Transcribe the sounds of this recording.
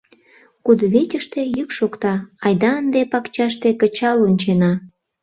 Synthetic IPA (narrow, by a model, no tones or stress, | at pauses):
kud̪βet͡ɕʲəʃt̪ejykʃokt̪ɑɑjd̪ɑənd̪epɑkt͡ɕɑʃt̪ekə̆t͡ɕɑlonʲt͡ɕenɑ